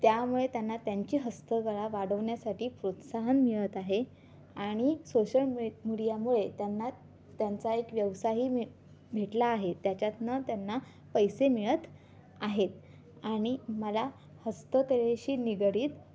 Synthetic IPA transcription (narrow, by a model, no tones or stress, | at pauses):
t̪jamuɭet̪janːat̪jaɲt͡ɕiːɦəst̪əɡəɭaʋaɽəʋɳjasaʈʰiːpɾot̪saɦənmiɭət̪aɦe | aɽ̃isoɕəlmmiɽijamuɭet̪janːa | t̪jant͡saekʋjəʋsaɦiː | bʱeʈlaːɦet̪jat͡ɕat̪nat̪janːa | pəjsemiɭət̪ | aɦet̪̚ | aɽ̃iməla | həst̪əkəɭeɕiːniɡɽiːt̪